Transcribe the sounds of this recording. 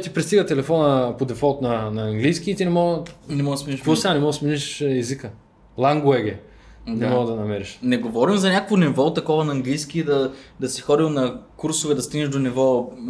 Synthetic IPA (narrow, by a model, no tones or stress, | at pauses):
t̪ipɾɛst̪iɡət̪ɛlɛfɔnəpod̪ɛfɔt̪nɐnɐːŋɡlijskiːt̪inɛmɔɡnɛmɔɡd̪smiiʃkɔsanɛmɔɡ̪sminiʃɛzikə | lˠaŋɡʊɛɡɛ | nɛmɔɡd̪ɐnɐmɛɾiʃnɛɡovɔɾimzɐnʲakovonivɔt̪ɐkɔvɐnɐːŋɡlijskiːd̪ɐd̪ɐsixɔd̪ilˠnɐkuɾsʊvɛd̪ɐst̪iɡnɛʒd̪onivɔ